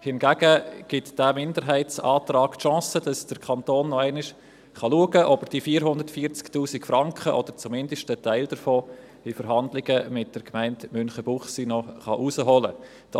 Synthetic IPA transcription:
hɪnɡæɡəɡ̥ɪtd̥æmɪndəɾɦæɪtsɑːtrɑːktʃɑ̃ːsəd̥ɑsd̥əɾkʰɑnt̪oːnːɔæɪnɪʃ | χɑluəɡəʔɔbəɾd̥ifiːɾɦʊndəɾtfiːəɾt͡sktuːsɪkfrɑŋkχəʔɔd̥əɾt͡sumɪndəʃtətæɪld̥əɾfoː | ɪfəɾɦɑndlɪɡ̥əmɪt̚d̥əɾkmæɪntmʏnχəb̥ʊχsinɔχɑ̰ʔusəɦɔlə̰ | d̥ɑ

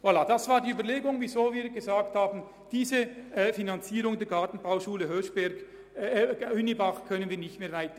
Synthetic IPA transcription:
volad̥asvaːɐɾdiyːbɐleːɡʊŋvizoːviːɾɡəzaːk̚thaːbn̩ | d̥iːzəʔfinant͡siːɾʊŋdeːɐɡaɐtn̩baʊʃuːləɦøːʃb̥ɛɐɡ | ʏnibaχkʰœnənviːɐnɪçtmeːɐvaɪtə̥

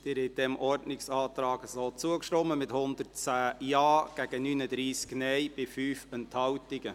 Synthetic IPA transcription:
d̪̥ɪːɾhɛd̥ɛmʔɔɾdnɪksɑːt̪ɾɑːɡəsoːt͡suəkʃtɔmːəmɪt̪hʊnd̪əɾt͡sæːjɑːɡ̥æɡ̥ənyːnəd̪ɾiːsknɛjb̥ɪfyːfənt̪hɑwtɪɡə

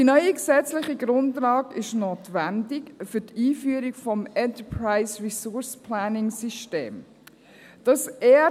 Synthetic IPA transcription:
d̥inœʏiksɛt͡slɪχiɡɾʊndlɑːɡɪʃnoːtvændɪkfʏtiːfyəɾikfɔmɛntəpʰɹaɪsɹisʊɹspʰlæːnɪŋsiʃtḛːm | d̥ɑsɛː

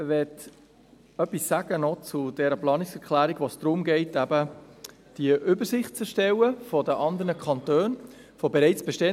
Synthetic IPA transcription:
ʋɛt | œpːisːæɡ̥ənɔt͡sud̥ɛɾəplɑːniksɛkʰlæːɾiɡ̥ʋosd̥ɾʊmɡɛɪtæbə | d̥iəʔʏbəɾsɪχtt͡sɛʃtɛwəfɔdəʔɑnd̪əɾnəkʰχɑntøːn | fɔbɛɾɛɪt͡sb̥ɛʃtɛ

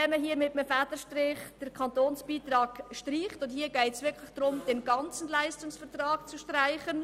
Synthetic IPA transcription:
ɛməɦiːmɪtəmfædəʃtrɪχd̥əɾkʰɑntoːnsb̥iːtrɑːɡ̥ʃtriːχtʊndhiːɡɛɪtsʋɪɾkʰlɪχd̥ɾʊmd̥ɛnɡɑnt͡sn̩laɪstʊŋsfətrɑːkt͡suʃtraɪχən

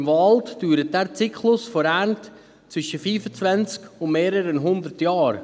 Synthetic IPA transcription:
mvɑltd̥yːɾət̚dɛɾt͡sikʰlʊsfɔɾɛɾnt | t͡svʏʃəfyːfət͡svɛnt͡skʊnmeːɾəɾənɦʊnd̪əɾtjɑːɾ

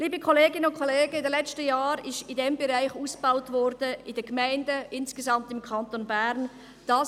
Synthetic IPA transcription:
liːbəkʰoleːɡɪnəʊnkʰoleːɡəɪdɛlɛt͡stəjaːɾɪʃtɪdɛmbeʁaɪçuːsb̥aʊtvɔɾdəɪdɛɐɡmaɪndəʔɪnsɡ̥ezɑmtɪmkʰɑntonbɛɾn | d̥ɑ

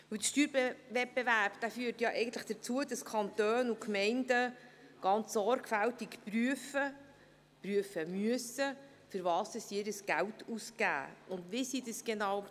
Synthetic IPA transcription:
vɵwd̪əʃtyːɾbevɛt̚b̥eværpd̥æfyːəɾtjɑʔɛɪɡən̩t̪ləχd̥əɾt͡suəd̥ɑskʰɑnt̪øːnukmɛɪndəɡ̥ɑnt͡sːɔɾɡfæltikpryəfə | pɾyəfəmyəsə | fʏɾvɑːsɛsiːɾəsɡ̥æltʰusɡæ̰ːʔʊndʋisidəsɡ̥enɑw

